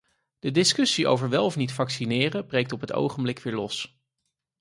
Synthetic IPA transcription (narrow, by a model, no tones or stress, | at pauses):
d̥ədɪskɵsiʔo̰wvəɹʋɛlˠɔfnitfɑksinɪːrəbrejk̚tɔpɦəto̰wχəmblɪkʋɪːɹlɔs